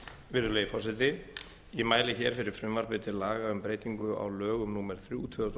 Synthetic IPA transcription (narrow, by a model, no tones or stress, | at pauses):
vɪɾðʏlejfɔwsɛt̪̬ɪ | imaːjlɪçɛːɾ̥fɪɾɪɾ̥fɾʏmvaɾ̥pɪːt̪ɪlaːɣaʏmpɾeːjt̪iŋkʏa̰wlœːɣʏmnuːmɛɾ̥θɾjut̪ʰʏðʏ